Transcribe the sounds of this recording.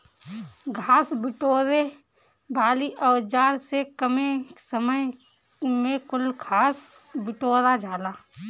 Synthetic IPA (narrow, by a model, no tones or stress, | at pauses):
ɡʱaːsbɪʈoːɾe | baːliʔɔːd͡ʒaːɾsekəmesəməj | mẽkʊlɡʱaːs | bɪʈoːɾad͡ʒaːlaː